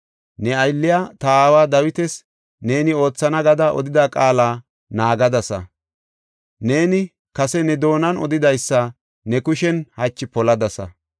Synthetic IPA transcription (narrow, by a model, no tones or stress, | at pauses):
nɛɐjlːɪjaːt̪ɐaːwaːd̪ɐwɪt̪ɛs | ne̞ːnɪo̞ːt͡sːɐnɐɡɐd̪aːʔɔ̰d̪ɪd̪aːkʼaːlaː | naːɡɐd̪ɐsɐ̰ | ne̞ːnɪ | kɐsɛnɛd̪o̞ːnɐnɔ̰d̪ɪd̪ɐjsːɐ | nɛkʊʃɛnhɐt͡ʃːɪpɔlɐd̪ɐsɐ̰